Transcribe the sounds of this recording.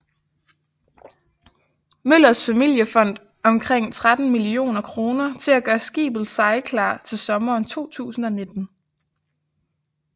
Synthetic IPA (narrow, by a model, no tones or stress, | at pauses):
møl̰ɐsfæmil̰jəfɒ̽n̰d̥ | ɒ̽mkʰʁeŋ̰t͡sʰʁad̥n̩milio̝̰ːnɐkʰʁo̝ːnɐt͡sʰe̝læɡ̥ɶːɐsɡ̥ḭːb̥l̩ˠsɑ̈ɪkʰlɑ̰̈ːt͡sʰe̝lsɒ̽mɐːnt͡sʰo̝̰ːt͡sʰṵːsn̩ɒ̽ne̝d̥n̩